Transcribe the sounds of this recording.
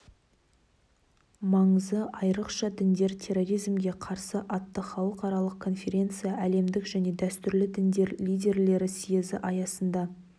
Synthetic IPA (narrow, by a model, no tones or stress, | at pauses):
mɑɴəzd̪əʔɑjɾəqʃɑd̪ɪnd̪e̞ɾt̪ʲʰe̞ro̞ɾijzmɡʲe̞qʰɑɾsəʔɑt̪ːəχɑlˠəqɑɾɑlˠəq̚kʰo̞nfʲe̞ɾʲe̞nt̪sɨjɑʔæle̞md̪ɪkʒæne̞d̪æst̪ʏɾlɪd̪ɪnd̪eɾlijd̪ʲe̞ɾle̞ɾɪsijezɪ̰ʔɑjɑsənd̪ɑ